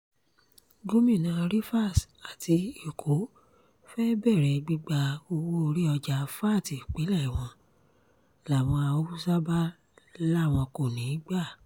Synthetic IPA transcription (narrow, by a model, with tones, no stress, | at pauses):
ɡo˦mĩ˦˨nã˧˨˧ɾi˦fa˦˨sa˨ti˧e˨kʰo˨˦ | fɛ˦bɛ˦˨ɾɛ˧ɡ͡bi˦ɡ͡ba˧o˧wo˦o˧ɾi˦ɔ˧d͡ʒa˧fa˦˨ti˨k͡pe˨˦lɛ˦˨w̃ɔ̃˧ | la˨w̃ɔ̃˧a˧o˦u˦sa˦ba˦ | la˦˨w̃ɔ̃˧ko˨nĩ˨˦ɡ͡ba˦˨